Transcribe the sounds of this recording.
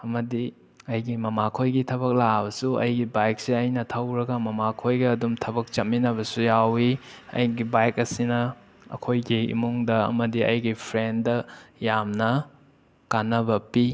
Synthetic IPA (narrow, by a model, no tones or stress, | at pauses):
ɐmɐdi | ɐjɡimɐmakʰojɡitʰɐβɐk̚labɐsuɐ̰jɡibajk̚siɐjnɐtʰɐwɾɐɡɐmɐmakʰojɡɐːdumtʰɐbɐk̚t͡ʃɐt̚minɐβɐsujawiɐ̰jɡibajkɐsinɐ | ɐ̰kʰojɡiḭmuŋdɐɐ̰mɐdiɐ̰jɡipʰɾendɐjamnɐ | kanːɐbɐpi